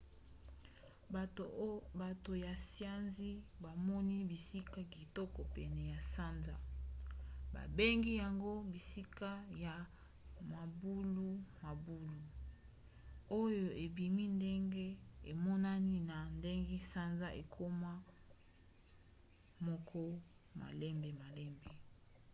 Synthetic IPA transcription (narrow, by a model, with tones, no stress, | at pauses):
ba˨to˨ja˨sja˦nzi˦ba˨mɔ˦ni˦bi˨si˦ka˦ki˨tɔ˦kɔ˨pɛ˨nɛ˨ja˨sa˦nza˦ | ba̰˨be˦ŋɡi˦ja˨ŋɡo˦bi˨si˦ka˦ja˨ | ma˨bu˦lu˦ma˨bu˦lu˨ | o˦jo˨ʔe˨bi˨mi˦nde˦ŋɡe˦e˨mɔ˦na˦ni˦na˨nde˦ŋɡe˦sa˦nza˦ʔe˨kʰo˦ma˦ | mɔ˦kʰɔ˦ma̰˨lɛ˦mbe˨ma˨lɛ˦mbe˨